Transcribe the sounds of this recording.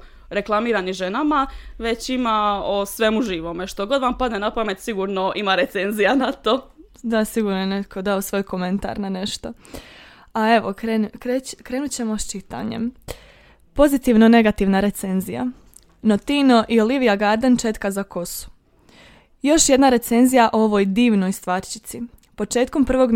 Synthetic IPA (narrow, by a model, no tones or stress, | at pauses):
ɾe̞klˠamiːɾaniʒenamaʋe̞t͡ɕimaosʋemuʒiːʋomeʃt̪o̞ɡo̞d̪ʋampad̪nenapame̞t̪siɡuːɾno̞ʔimaɾe̞t̪se̞nzijanat̪o | d̪asiɡuːɾnojene̞t̪kʰo̞d̪aosʋo̞jko̞me̞nt̪a̰ɾnane̞ʃt̪o̞ | ae̞ʋokɾenkɾekɾe̞ːnut͡ɕe̞mo̞st͡ʃit̪a̰ɲḛm | po̞zit̪iːʋnone̞ɡat̪iːʋnaɾe̞t̪se̞nzija̰ | no̞t̪ino̞ʔio̞liʋijaɡaɾd̪ent͡ʃe̞t̪kazako̞su̥ | jo̞ʃje̞d̪naɾe̞t̪se̞nzijaʔooʋo̞jd̪iːʋno̞jst̪ʋaːɾt͡ʃi̥t̪sipo̞t͡ʃe̞ːt̪̚ko̞mpr̩ʋo̞ɡ